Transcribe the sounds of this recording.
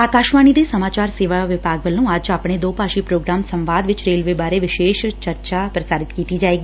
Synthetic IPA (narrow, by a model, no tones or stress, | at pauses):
aːkaːʃʋaːñid̪esɐmaːt͡ʃaːɾseːʋaʋɪpaːɡʋəlːũaːd͡ʒaːpɽ̃ed̪oːpaːʃipɾoːɡɾaːmsɐ̃mʋaːd̪ʋɪt͡ʃɾeːlʋeːbaːɾeʋɪʃeːʃt͡ʃɐɾt͡ʃapɾəsaːɾɪt̪kiːt̪id͡ʒaːeːɡiː